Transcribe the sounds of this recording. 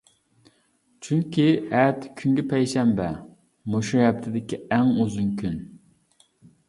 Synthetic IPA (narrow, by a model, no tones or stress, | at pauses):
t͡ʃʰyŋkʲʰiɛt̪ʰkʲʰyŋɡʲɪpʰɛjʃɛmbɛ | moʃɛb̚t̪ʰɪd̪ɪkʲiɛŋøzuŋkʲʰyn